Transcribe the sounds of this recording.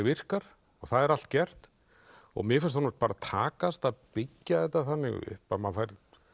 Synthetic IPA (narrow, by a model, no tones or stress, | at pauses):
vɪr̥kaɾ̥ | ɔɣθaðɛɾal̥t̪cɛr̥t̪ | ɔ̰ɣmjɪɛfɛnst̪ʰɔnḁt̪paɾat̪ʰaːkast̪aðpɪcːaðɛht̪aθanːɪ̰ɣ̰ʏ̰pamanfajɾ